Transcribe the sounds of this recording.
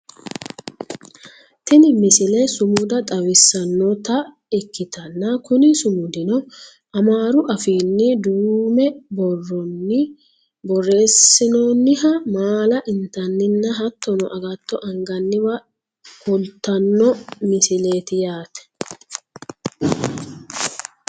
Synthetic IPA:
t̪ɪnɪmɪsɪlɛsʊmʊd̪ɐt̪ʼɐwɪsːɐnːɔt̪ɐ | ɛkːɪt̪ɐnːɐkʊnɪsʊmʊd̪ɪnɔ | ʔɐmaːɾʊʔɐfiːnːɪd̪uːmɛbɔrːɔnːɪ | bɔrːe̞ːsːɪnoːnːɪɦɐmaːlɐʔɪnt̪ɐnːɪnːɐɦɐt̪ːɔnɔ̰ʔɐɡɐt̪ːɔʔɐŋɡɐnːɪbɐ | kʊlt̪ːɐnːɔmɪsɪleːt̪ɪjaːt̪ɛ̥

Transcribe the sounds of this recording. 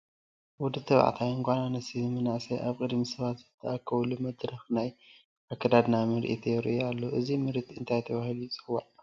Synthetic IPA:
wʊd̪ɨt̪ʰːɐβa̰ʕ̰t̪ʰajɨŋɡʷananɨsimɨnaʔseʔaβkʼɨd̪misɐβat̪zɨt̪ʰːɐakʰːɐβlumɐd̪ɾɐxnaj | ʔakʰːɐd̪ad̪namɨɾʔit̪ʰɛɾ̰ʔoalːoʔɨzimɨɾit̪ʰɨnt̪ʰajt̪ʰɐβahilujit͡sʼɨxwaʔ

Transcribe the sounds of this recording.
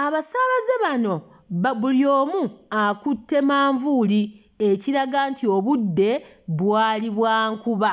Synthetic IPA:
aβasaβazeβano̞ | βuljo̞ːmuakutːe̞maːɱvuli | eciɾaɡantʰioβudːe̞ | βwaːliβwaːŋkuβa

